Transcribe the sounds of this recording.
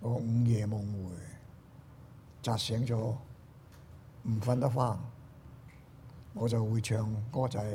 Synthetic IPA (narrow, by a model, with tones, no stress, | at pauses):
ŋɔː˨˧˥ŋ̩˨˧jɛː˨˧mʊ˨˧ŋwuː˨˧j | t͡saː˨˧t̚sɛː˨˥ŋt͡sɔː˨˥ | m̩˨˩fɐ˧nt̪ɐ˥faː˥˩n | ŋɔː˨˧t͡sɐ˨wːuː˨˧jt͡ʃʰœː˨ŋkɔː˥t͡sɐ˨˥j